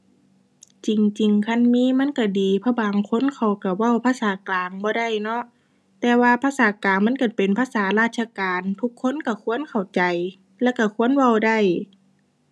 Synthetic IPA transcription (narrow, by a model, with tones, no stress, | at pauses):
t͡ɕi˨ŋt͡ɕi˨˩ŋkʰa˧˥˨nmiː˧˥˨ma˧˥˨nka˧˩diː˨pʰɔ˧˥˩baː˨ŋkʰo˧˥˨nkʰa˨˩wka˧˩wa˧˩˨wpʰaː˧˥˨saː˨˦klaː˨ŋbɔː˧˦da˧˥˩jnɔ˧ʔ | t̪ɛː˧waː˧pʰaː˧˥˨saː˨˦klaː˨ŋma˧˥˨nka˧˩pe˨npʰaː˧˥˨saː˨˦laː˧˩t̪̚sʰa˧kaː˨nt̪ʰu˧˦kʰːo˧˥˨nka˧˩kʰu˧˥˨ə˨nkʰa˨˩wt͡ɕa˨j | lɛ˧˥˨ka˧˩kʰu˧˨ə˨nwa˧˩˨wda˧˩˨j